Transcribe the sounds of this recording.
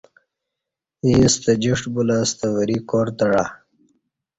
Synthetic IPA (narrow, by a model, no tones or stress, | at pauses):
ist̪əd͡ʑiʂʈbulast̪əwəɾikoɾt̪ɐɽa